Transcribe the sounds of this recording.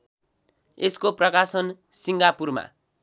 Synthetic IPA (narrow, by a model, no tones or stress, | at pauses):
eskoprʌkasʌnsiŋɡapurma̰